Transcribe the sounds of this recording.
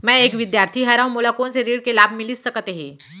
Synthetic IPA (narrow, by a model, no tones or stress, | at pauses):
mɛ̃eːkʋɪd̪jaːɾt̪ʰiɦɛɾaːɦũmoːlakõnseɾiːɽkelaːb̚ʱmɪlisɐkt̪eɦĩː